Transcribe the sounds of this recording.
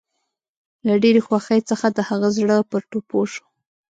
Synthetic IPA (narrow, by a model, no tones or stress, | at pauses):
laɖeɾexwaxəjt͡səxad̪əhaɣazɽəpəɾʈopoʃu̥